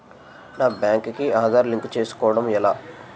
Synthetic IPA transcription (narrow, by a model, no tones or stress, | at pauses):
naːbjaːŋkkiaːd̪aːɾliŋkt͡ʃe̞ːsu̥kɔːʋɐɽɐmɛlaː